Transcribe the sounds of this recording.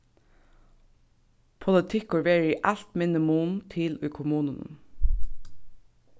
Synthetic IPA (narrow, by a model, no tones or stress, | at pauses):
pʰʊlət̪ʰɪkʊɹʋeːɹəiːʔælt̪mɪnɪmuːnt̪ʰɪlʉːkʰʊmuːnənə̰